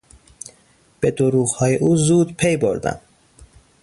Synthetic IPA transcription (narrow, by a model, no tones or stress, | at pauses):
b̥e̞d̪oɾuːɣhɒːjeʔuːzuːd̪pʰe̞jboɾd̪æ̰m